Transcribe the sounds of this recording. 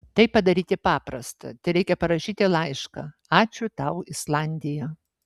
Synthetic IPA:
t̪ɐɪpɐd̪ɐɾʲiːt̪ʲɪpɑːpɾɐst̪ɐ̰t̪ʲɪɾʲɛɪkʲɛpɐɾɐʃʲiːt̪ʲɪlˠɐɪʃkɐ | ɑːt͡ʃʲʊt̪ɑʊɪslˠɑnʲd̪ʲɪjɛ

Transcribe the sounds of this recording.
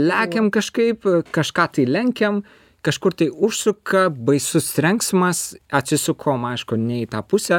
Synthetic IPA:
lʲæːkʲɛmkɐʃkɐɪpkɐʃkɑːt̪ɐɪlʲɛŋʲkʲɛm | kɐʃkʊrt̪ɐɪʊʃsʊkɐbɐɪsʊsɾʲɛŋksmɐsɐt̪ʲsʲɪsʊkʰoːmɐɪʃkʊnʲɛɪt̪ɑːpʊsʲɛ

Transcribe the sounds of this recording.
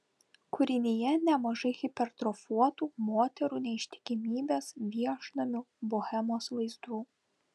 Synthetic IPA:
kʊɾʲɪnʲɪjɛnʲɛmɐʒɐɪɣʲɪpʲɛɾt̪ɾɔfuɔt̪uːmoːt̪ʲɛɾuːnʲɛɪʃʲt̪ʲɪ̥kʲɪmʲiːbʲeːsʋʲiɛʃnɐmʲʊbohʲɛmoːsʋɐɪzd̪uː

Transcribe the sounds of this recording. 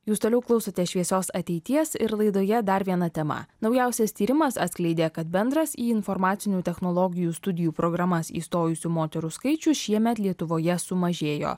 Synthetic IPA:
juːst̪oːlʲɛʊklˠɒʊsɐt̪ʲɛʃʲʋʲiɛsoːsɐt̪ʲɛɪt̪ʲiɛsɪɾlˠɐɪd̪oːjɛd̪ɐɾʋʲiɛnɐt̪ʲɛmɐ̰nɒʊjæˑʊsʲɛst̪ʲiːɾʲɪmɐsɐt̪sʲklʲɛɪd̪ʲeːkɐt̪bʲɛnd̪ɾɐsiːɪnfɔɾmɑːt̪sʲɪnʲuːt̪ʲɛxnolˠɔɡʲɪjuːst̪ʊd̪ʲɪjuːpɾɔɡɾɐmɐsḭːst̪oːjʊsʲuːmoːt̪ʲɛɾuːskɐɪt͡ʃʲʊʃʲiɛmʲɛt̪lʲiɛt̪ʊʋoːjɛsʊmɐʒʲeːjo̰ː

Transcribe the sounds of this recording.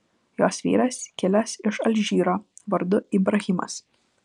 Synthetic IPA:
joːsʋʲḭːɾɐskʲɪlʲɛsɪʃɐlʲʒʲiːɾoːʋɐɾd̪ʊiːbɾɐɣʲɪmɐ̰s

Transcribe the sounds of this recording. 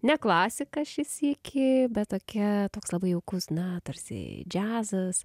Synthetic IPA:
nʲɛklˠɑːsʲɪkɐʃʲɪsikʲʰɪbʲɛt̪t̪oːkʲɛt̪oːkslˠɐbɐɪɛʊkʊsnɐt̪ɐɾʲsʲɪ̰d͡ʒʲæːzɐs

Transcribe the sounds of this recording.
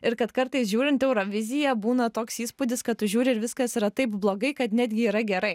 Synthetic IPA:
ɪɾkɐt̪kɐɾt̪ɐɪsʒʲuːɾʲɪnt̪ɛʊɾoːʋʲɪzʲɪjɛbuːnɐt̪oːksiːspuːd̪ʲɪskɐt̪ʊʒʲuːɾʲɪɪɾʋʲɪskɐsiɾɐt̪ɐɪpblˠoːɡɐɪkɐt̪nʲæːd̪ʲɡʲɪiːɾɐɡʲɛɾɐɪ

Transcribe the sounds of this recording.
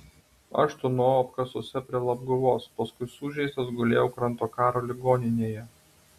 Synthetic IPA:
ɐ̰ʃt̪ʊnoːɐpkɐsoːsʲɛpʲɾʲiɛlˠɐb̚ɡʊʋoːspɐskʊɪsuːʒʲɛɪst̪ɐsɡʊlʲḛːjɛʊkɾɐnˑt̪oːkɑːɾoːlʲɪɡoːnʲɪnʲeːjɛ

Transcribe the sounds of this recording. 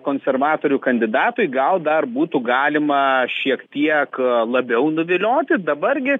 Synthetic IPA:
koːnʲsʲɛrʋɑːt̪oːɾʲʊkɐnʲd̪ʲɪd̪ɑːt̪ʊjɡɐlˠd̪ɐrbuːt̪ʊɡɑːlʲɪmɐʃʲiɛkt̪ʲiɛklˠɐbʲɛʊnʊʋʲɪlʲoːt̪ʲɪd̪ɐbɐrɡʲɪ

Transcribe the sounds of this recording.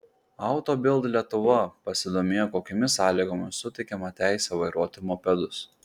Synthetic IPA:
ɐʊt̪oːbʲɪlˠd̪lʲiɛt̪ʊʋɐpɐsʲɪd̪oːmʲeːjoːkoːkʲoːmʲɪsɑːlʲiːɡoːmʲɪsʊt̪ʲɛɪkʲɛmɐt̪ʲæˑɪsʲɛʋɐɪɾuɔt̪ʊmoːpʲɛd̪ʊs

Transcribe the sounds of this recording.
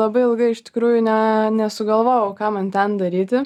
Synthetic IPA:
lˠɐbɐɪɪlˠɡɐɪɪʃt̪ʲɪ̥kɾuːjʊnʲɛnʲɛsʊɡɐlˠʋoːjɛʊkɑːmɐnt̪ʲɛnd̪ɐɾʲiːt̪ʲɪ

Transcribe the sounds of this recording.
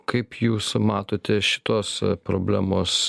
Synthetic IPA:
kɐɪpjuːsmɑːt̪oːt̪ʲɛʃʲɪ̥t̪oːspɾoːbʲlʲæːmoːs

